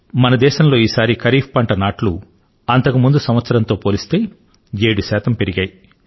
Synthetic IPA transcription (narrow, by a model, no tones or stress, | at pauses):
mɐnɐd̪ɛːʃɐmlo̞ːiːsaːɾikɐɾiːppɐɳʈɐnaːʈlu | ɐnt̪ɐkumund̪usɐmʋɐt̪sɐɾɐnt̪o̞ːpoːlist̪e̞ː | jeːɽuʃɛːt̪ɐmpeɾiɡɐːji